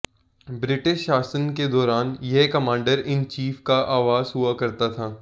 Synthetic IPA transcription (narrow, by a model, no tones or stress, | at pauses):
bɾɪʈɪʃːaːsənked̪ɔːɾaːnjɛɦkɐmãːɳɖəɾɪnt͡ʃiːfkaʔaːʋaːzɦuakɐɾt̪at̪ʰaː